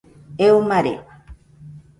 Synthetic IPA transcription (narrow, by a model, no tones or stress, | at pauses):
eumaɾḛwa